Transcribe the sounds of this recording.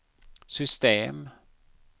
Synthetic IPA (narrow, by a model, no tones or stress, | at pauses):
sʏst̪eːm